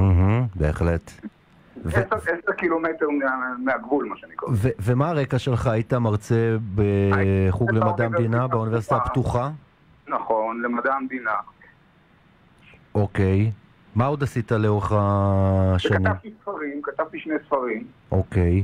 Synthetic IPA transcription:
m̩ɦm̩be̞eχle̞t | veseseʁkilometeʁmemeaɡvulmaʃeanikaveve̞maːʁekaʃe̞lχaːitamaʁt͡se̞beχuɡlemadamd̪inabeunive̞sit̪apt̪uχa | naχonlemad̪amdina | oke̞j | maod̪asitaleo̞ʁeχa | ʃaniamvt̪isfaʁimkat̪avt̪iʃnejsfaʁimʔo̞ke̞j

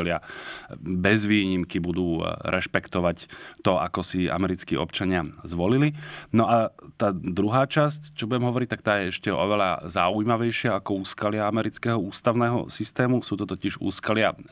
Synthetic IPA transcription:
lɪa | bɛzʋiːɲimkibud̪uːɾʔɛʃpɛkt̪ɔʋact̪ɔa̰kɔsia̰mɛɾit͡skiːʔɔ̰pt͡ʃaɲɪazʋɔlilinɔʔat̪aːd̪ɾuɦaːt͡ʃasct͡ʃɔbuɟɛmɦɔʋɔɾic̚t̪ak̚t̪aːjɛɛʃcɛʔɔ̰ʋɛʎa̰za̰ujmaʋɛjʃɪaakɔuːskalɪaamɛɾit͡skɛːɦɔuːst̪aʊnɛːɦɔ̰sist̪ɛːmusuːt̪ɔt̪ɔciʒṵːskalɪa

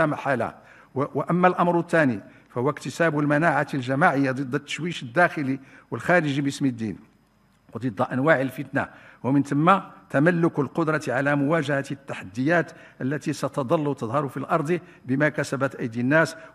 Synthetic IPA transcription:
æmaħala̰ | wʔəmːælʔɑmɾət̪ːæni | fæhʊwækt̪əsæbʊlmænaʕalʒæmaʕəjːad̪ˤɨd̪ˤːɑt̪ːʃwiʃəd̪ːæxəliwəlxæɾəʒibəsmid̪ːḭn | wd̪ˤɨd̪ˤːɑʔænwaʕəlfət̪na̰wəmənt̪əmːat̪æmælːʊklqʊd̪ɾˤɑt̪ʕalæmʊwæʒæhæt̪t̪ːaħad̪ːəjæt̪ | ʔəlːæt̪isæt̪ɑd̪ˤɑlːwt̪əd̪ˤhɑɾˤufilʔɑɾˤd̪ˤi | bəmækæsæbæt̪ʔəjd̪inːæs

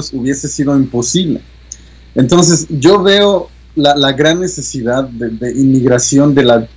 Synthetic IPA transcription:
osuβje̞se̞sið̞o̞impo̞siβlḛ | ent̪o̞ns̬e̞sɟ͡ʝo̞βe̞o | lalaɣɾanːe̞se̞siðaðːe̞ðe̞ʔimiɣɾasjo̞nd̪e̞la

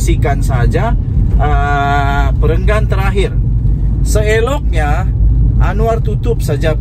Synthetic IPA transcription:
sikansad͡ʒa | ʔə | pəɾəŋɡant̪əɾaɦɪr | səelɔk̚ɲa | anuart̪ut̪ʊp̚sad͡ʒa

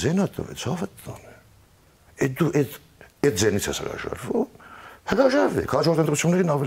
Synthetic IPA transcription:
zɛnɑt̪ʼːɔ̰vɛ̰t͡sʰɑvət̪ːɑnɛ | ɛd̪uʔɛt̪ | ɛt̪̚zɛnit͡sʰɛshə̰ɾɑ̰ʒɑ̰ɾvumhəɾɑʒɑɾvɛ̰kʰhɑt͡ʃɔɾt̪ənt̪ɾut͡sʰjunːɛɾinɑvɛ

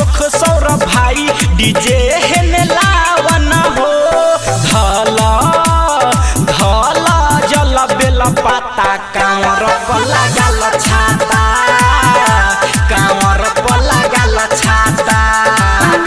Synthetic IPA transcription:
okʰsɔwɾɔbʱajɖid͡ʒeɦenelawanaɦod̪ʱɔlɔ | d̪ʱɔlɔd͡ʒʌlɔbelɔpat̪akãwɔ̃ɾɔpɔlaɡalɔt͡ʃʰat̪a | kawɔ̃ɾpɔlaɡalɔt͡ʃʰat̪a

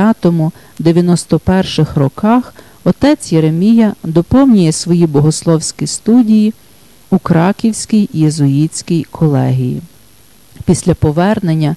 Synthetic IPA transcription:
ɑt̪ɔmʊ | d̪eʋʲjɐnɔst̪ɔpɛrʃɪxrɔkɑx | ɔt̪ɛt͡sʲjeɾemʲijɐd̪ɔpɔwnʲijɛsʋɔjibɔɦɔslˠɔwsʲkʲist̪udʲiji | ukɾɑkʲiwsʲkʲijjezɔjit͡sʲkʲijkʰɔlˠɛ̰ɦʲijḭ | pʲisʲlʲɐpɔʋɛrnenʲːɐ

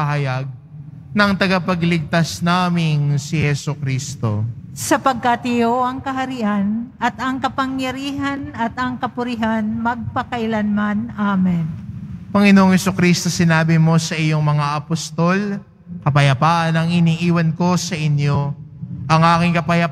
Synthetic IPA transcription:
ɐhɐjɐɡ̚ | nɐŋt̪ɐɡapɐɡlɪɡ̚t̪asnaːmɪŋsɪhɛsukɾiːst̪o̞̰sɐpɐɡ̚kat̪ɪjoʔɐŋkɐɦɐɾiʔanɐt̪ɐŋkɐpɐŋjɐɾiːɦɐnɐt̪ɐŋkɐpʊɾɪɦanmɐɡ̚pɐkɐʔɪlanmanʔamɛnpɐŋɛnoʔoŋhɛsukɾist̪o̞sɪnaːbɪmo̞sɐʔɪjo̞ŋmɐŋaʔɐpost̪o̞l | kɐpɐjɐpaːʔɐnɐŋɪniʔiːwɐnko̞sɐʔɪnjo̞ʔɐŋʔaːkɪŋkɐpɐjɐ

